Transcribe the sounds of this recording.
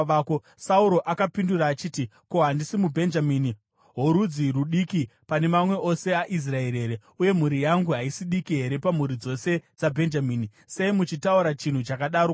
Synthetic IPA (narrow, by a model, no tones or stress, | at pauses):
ko | sauɾo̞ʔakapinduraːt͡ʃiːtiko̞ɦandisimubʱe̞nd͡ʒamiːni | ɦoɾud͡ziɾuɗikipane̞mamwe̞ʔo̞se̞aʔis̬rae̞ɾe̞ːɾe | uje̞m̤uɾijaŋɡuɦaisiɗikiɦe̞ɾe̞pam̤uɾid͡zo̞se̞d͡zabʱe̞nd͡ʒamiːni | se̞imut͡ʃitauɾat͡ʃin̤ut͡ʃakaɗaɾo